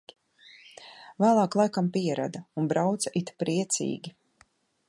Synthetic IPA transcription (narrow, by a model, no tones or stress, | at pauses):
væːlˠɑːklˠajkampiɛɾa̰d̪aunbɾawt̪saʔit̪pɾiɛt̪sḭːɡʲi